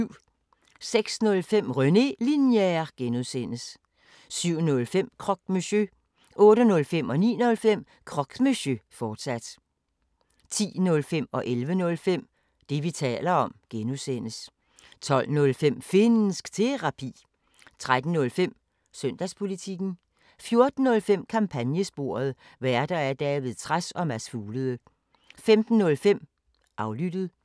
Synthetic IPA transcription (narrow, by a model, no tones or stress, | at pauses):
ʊ̰ | seɡ̥snɔ̽lfem̰ʁœne̝linjæɐɡ̥enuðˠsen̰əs | syʊ̰nɔ̽lfem̰kʰʁɒ̽ɡ̥̚meɕø | ʔɔ̽ːɾənɔ̽lfem̰ɒ̽nḭːnɔ̽lfem̰ | kʰʁɒ̽ɡ̥meɕøfɒːd̥sæd̥ | t͡sʰḭːnɔ̽lfem̰ɒ̽ʔelʋənɔ̽lfem̰ | d̥e̝ʋit͡sʰɛ̰ːlɐɒ̽mɡ̥enusen̰əs | t͡sʰɒ̽l̰nɔ̽lfem̰fe̝nn̩sɡ̥t͡sʰe̝ʁɑ̈pʰḭː | t͡sʰʁad̥n̩ːɔ̽lfem̰ | søn̰d̥æspʰo̝lit͡sʰiɡ̥n̩ | fjo̝ɐd̥n̩ːɔ̽lfem̰kʰɑ̈mpʰænjəsb̥o̝ːɐð̞ˠ | ʋæɐd̥ɐæɐd̥ɛːʋeðˠt͡sʰʁasɒ̽mæsfuːləð̩ˠə | femd̥n̩nɔ̽lfem̰ | ʔɑ̈ʊlyd̥əð̩ˠ